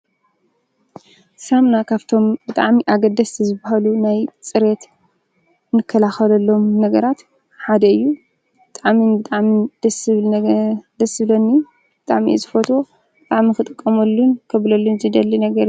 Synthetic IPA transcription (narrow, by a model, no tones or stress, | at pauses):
samnakʰaβt̪ʰo̞mbɨt̪ʼaʕmiʔaɡɐd̪ɐsʰizɨbaɦalunajt͡sʼɨɾe̞t̪ | nɨkʰːɐlaxɐlɐlːo̞mnɐɡɐɾat̪ | ħad̪ɐɨjːu | b̥ɨt̪ʼaʕminbɨt̪ʼaʕmid̪̥ɐsɨβld̪ɐsɨlonːi | bɨt̪ʼaʕmizɨfot̪ʰʼo̞ | bɨt̪ʼaʕmixɨt̪ʼɨkʼːɐmɐlːunkʰɐβlɐlːunzɨd̪ɐlːinɐɡɐɾɨ